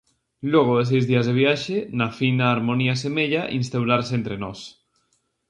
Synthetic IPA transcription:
loɣ̞oes̬ejzðiazðeβ̞jaʃenafinaːɾmoniasemeʎaʔinst̪awɾaɾseent̪ɾenos

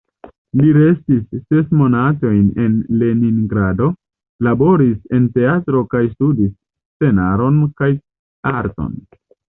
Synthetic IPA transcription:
liɾe̞stisːe̞smo̞nato̞jne̞nle̞niŋɡɾado̞ | labo̞ɾise̞nte̞atɾo̞kajstudis | t͡se̞naɾo̞nkaj | aɾto̰n

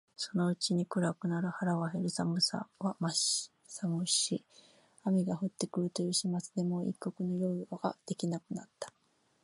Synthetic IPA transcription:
so̞no̞ɯ̟t͡ɕiɲ̟ikɯ̟ɾakɯ̟naɾɯ̟haɾaβaɦe̞ɾɯ̟samɯ̟sa̰βamaɕ | samɯ̟ɕi | amʲiɡaɸɯ̟t̪ːe̞kɯ̟ɾɯ̟t̪o̞jɯ̟ːɕimat͡sɨd̪e̞mo̞ḭkːo̞kɯ̟no̞jo̞ːiaɡ̥a̰d̪̥e̞kʲinakɯ̟nat̪ːḁ

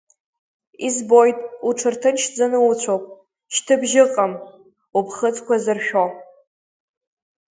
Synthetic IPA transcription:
izbojtʼuʈ͡ʂʰɨrtʰɨnʃd͡zanɨut͡ɕʷʰowpʼ | ʃtʰɨbʒɪqʼam | upʰχət͡sʼkʷazɨrʃᶣo

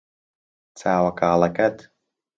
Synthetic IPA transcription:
t͡saːwakaːlˠakat̪

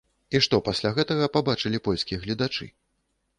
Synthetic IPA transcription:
iʂt̪ɔpasʲlʲaɣɛt̪ɐɣɐpabat͡ʂɨlʲipɔlʲskʲijɐɣlʲid̪at͡ʂɨ̰

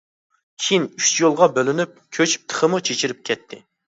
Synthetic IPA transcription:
kʲʰijinyʃt͡ʃjolˠʁɑbølynyp̚kʲʰøt͡ʃʰp̚t̪ʰə̥χʰəmut͡ʃʰet͡ʃʰiɾɪp̚kʲʰɛt̪ʰːɪ

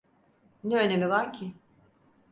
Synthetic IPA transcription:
nɛønemivaɾcʰɪ

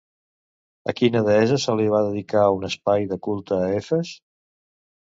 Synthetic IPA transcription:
ə̰kinəðɛzəsəliβ̞aðəðikaunəspajðəkulˠt̪əːefəs

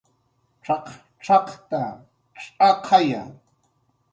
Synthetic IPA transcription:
ʈ͡ʂɑq | ʈ͡ʂɑqt̪a | ʈ͡ʂʼɑqʰɑja̰ŋ

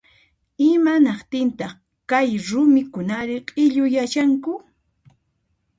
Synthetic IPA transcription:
ɪmanɑqt̪ɪnt̪ɑχ | kajɾʊmɪkʊnaɾɪqʼɪʎʊjat͡ʃaŋkʊ

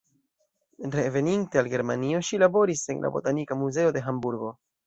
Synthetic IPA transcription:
ɾe̞ve̞ninte̞alɡe̞ɾmanio̞ʃilabo̞ɾise̞nlʔa̰bo̞̰tanikamuze̞o̞de̞ɦambuɾɡo̞

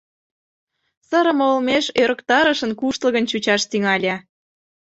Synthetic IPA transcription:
sə̆ɾə̆moolmeʃøɾə̆kt̪ɑɾə̆ʃə̆nkuʃt̪lˠə̆ɣənt͡ɕut͡ɕɑʃt̪yŋɑlʲɑ

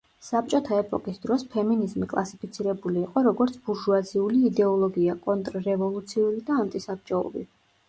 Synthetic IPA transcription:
sap̚t͡ʃʼɔt̪ʰaɛpʼɔkʼisd̪ɾɔspʰɛminizmikʼlˠasipʰit̪sʰiɾɛbuliːqʼɔɾɔɡɔɾt̪sʰbuʒuaziuliːd̪ɛɔlˠɔɡiakʼɔnt̪ʼɾːɛvɔlˠut̪sʰiuɾid̪aːnt̪ʼisap̚t͡ʃʼɔṵɾḭ

